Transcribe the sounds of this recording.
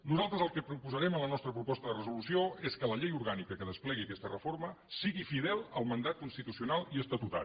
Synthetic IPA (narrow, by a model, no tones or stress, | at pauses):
nuzalˠt̪ɾəzəlˠkəpɾupuzəɾɛmənlənɔst̪ɾəpɾupɔst̪əðərəzulusioeskələʎejuɾɣanikəkəðəsplɛɣiəkɛst̪ərəfoɾmə | siɣifiðɛlˠəlˠmənd̪at̪̚kunst̪it̪usiunalˠiəst̪ət̪ut̪a̰